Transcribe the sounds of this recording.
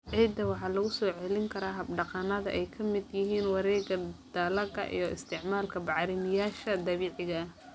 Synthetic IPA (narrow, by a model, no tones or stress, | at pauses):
ʕiːd̪ɐwɑħɑːlɐɣʊsɔːʕɛlɪŋkʰɐɾaːɦɐbɖɑqɑnɐðɐ̰ʔɛjkʰɐmɪd̪jɪɦiːnwɑɾɛːɣɐd̪̥ɐlɐɣɐ̰ʔḭjɔʔɪ̰st̪ʰɪʕmaːlkʰɐbɑʕɾɪmɪjaːʃɐd̪ɐβiːʕɪɣɐ